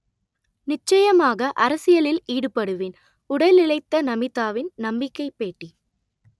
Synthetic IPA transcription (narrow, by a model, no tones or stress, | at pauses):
nɪt͡ʃːɐjɐmaːɣɐʔɐɾɐsɪjɐlɪliːɽɯpɐɽɯʋɪn | ʊɽɐlɪɭɐɪt̪ːɐnɐmɪt̪ːaːʋɪnnɐmbɪkːɐɪpːeːʈːi